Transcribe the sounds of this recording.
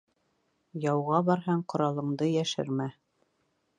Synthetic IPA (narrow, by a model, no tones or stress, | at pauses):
jɑwʁɑbɑɾɦɑɴqŏɾɑlˠɤ̆ɴd̪ɤjæʃɘ̰ɾmæ